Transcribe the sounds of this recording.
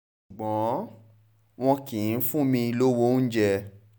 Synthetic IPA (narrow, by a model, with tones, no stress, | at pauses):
ʃu˨ɡ͡bɔ̃˨˦ | w̃ɔ̃˧kĩ˨˦fũ˦mĩ˧i˧lo˦wo˦n̩˦d͡ʒɛ˧